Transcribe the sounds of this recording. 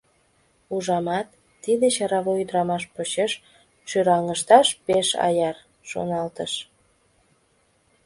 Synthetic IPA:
uʒɑmɑt̪ː | id̪et͡ɕɑɾɑβoyd̪ɾɑmɑʃpot͡ɕeʃ | ʃyɾɑŋəʃt̪ɑʃpeʃɑ̰jɑr | ʃo̰nɑlt̪əʃ

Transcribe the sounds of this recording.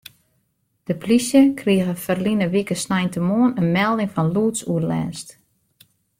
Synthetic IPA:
d̥əplisjəkriəɣəfərlinəʋikəsnɛjntəmoənənmɛlˠdɪŋfɔnluːtsuəlɛ̰ːst

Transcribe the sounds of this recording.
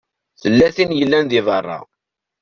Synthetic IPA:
θəlːæθinjəlːænðivərˤːɑ̰

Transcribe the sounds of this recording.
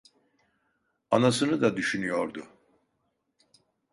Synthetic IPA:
anasɯnɯd̪ad̪yʃynyjoɾd̪u

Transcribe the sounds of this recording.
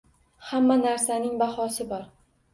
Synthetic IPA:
hamːanaɾsanɪŋbahɒsɪbɒɾ

